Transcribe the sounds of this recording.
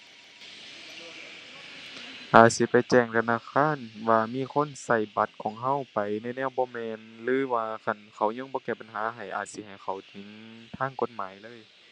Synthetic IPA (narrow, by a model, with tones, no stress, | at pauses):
ʔaː˨˩t̪̚si˧˦pa˨jt͡ɕɛː˧˩ŋt̪ʰa˧˨naː˧˨kʰaː˧˥˨nwaː˧miː˧˥˨kʰo˧˥˨nsa˧˩jba˧˦t̪̚kʰɔː˨˦ŋɦa˧˥˩wpa˨jna˧˨nɛː˧˥˨wbɔː˧˦mɛː˧nlɯː˨˦ʋaː˧kʰa˧˩˨nkʰa˧˩wɲɔː˧˥˨ŋbɔː˧˦kɛː˧˩ba˨˩nɦaː˨˦ɦa˨˩jʔa̰ː˨˩t̪̚si˧˦ha˨˩jkʰa˨˩wt̪ʰɯ˨˦ŋt̪ʰaː˧˥˨ŋko˧˥t̪̚maː˨˦jlɤː˧˥˨j